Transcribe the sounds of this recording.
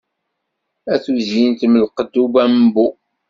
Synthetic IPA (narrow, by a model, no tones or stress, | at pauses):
æθuzint̪məlqəd̪ːubæmbu